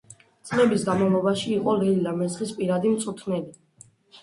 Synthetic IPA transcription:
t̪sʼlɛbisɡamɔlˠɔbaʃiːqʼɔlɛlid̪amɛzχispʼiɾad̪imt̪sʼut̪ʰnɛli

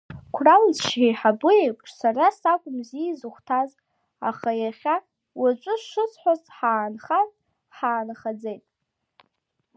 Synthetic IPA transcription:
kʷʰrawd͡zʃejħabʊejpʷʼʰʂsarasakʷʼʊmziːzɨχʷtʰaz | a̰χajaχʲa | wat͡ʃʷʼʊʂɨsħʷazħaːnχazʼ | ħaːnχad͡zejtʼ

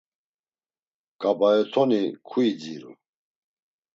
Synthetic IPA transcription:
kʼabaɛt̪ʰɔnikʰuid͡ziɾṵ

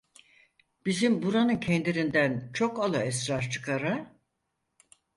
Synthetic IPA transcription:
b̥izimbuɾanɯncʰɛnd̪iɾind̪ænt͡ʃʰo̞kalˠɯɛsɾaɾt͡ʃʰɯ̥kʰaɾɯ

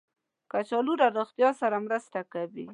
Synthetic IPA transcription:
kat͡ʃɑluɾaɾoxt̪jɑsaɾamɾəst̪akawi

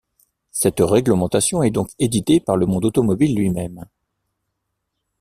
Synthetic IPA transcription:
sɛt̪ʁɛɡləmɑ̃t̪asjɔ̃ɛd̪ɔ̃ked̪it̪epaʁləmɔ̃d̪ot̪ɔmɔbilːɥimɛm

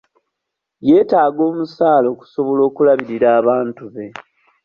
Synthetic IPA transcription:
je̞ːtaːɡo̞ːmusaːlo̞ːku̥so̞βo̞lo̞ːkulaβiɾiɾaːβaːntuβe̞

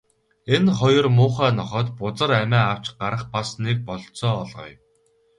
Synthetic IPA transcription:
enχɔjɞ̆rmʊːχæːnɔχɔːt̪pʊt͡sə̆ɾæmæːaw̥t͡ɕɢaɾə̆χpasnek̚pɔɮsɔːɮʁɞ̰ːj

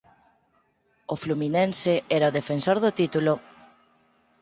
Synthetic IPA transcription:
ofluminensɪɛɾaoðefensoɾðʊt̪it̪ulo

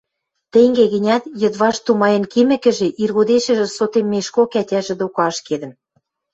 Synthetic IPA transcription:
t̪eŋɡeɣɘ̆nʲæt̪jɤ̆d̪βɑʃt̪umɑjɤ̆nkimɘ̆kɘ̆ʒĕʔirɣod̪eʃɘ̆ʒĕsot̪emːeʃkokætʲæʒĕd̪okɑʃked̪ə̆m

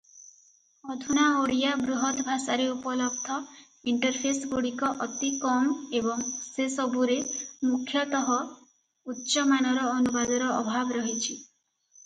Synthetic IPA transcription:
ɔd̪ʱunaoɽijabɾuɦɔt̪ɔbʱasaɾeupɔlɔb̚d̪ʱɔ | iɳʈɔɾpʰesɡoɽikɔʔɔt̪ikɔmebɔŋsesɔbʱuɾemukʰjɔt̪ɔɦɔ | utːʃɔmanɔɾɔːnubad̪ɔɾɔɔbʱabɔɾɔɦit͡ʃʰi

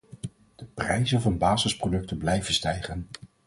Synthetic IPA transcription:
d̥əprɛjzənvɑnbaːzəsprodɵk̚tənblɛjvənstɛjχən

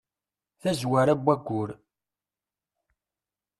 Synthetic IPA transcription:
θæzwæɾæbʷːæɡʷːʊɾ

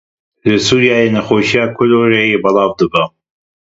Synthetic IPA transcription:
ləsuːɾijaːjenɐxoːʃijaːkʰʊloːɾejebɑlˠɑːvd̪ɨbə

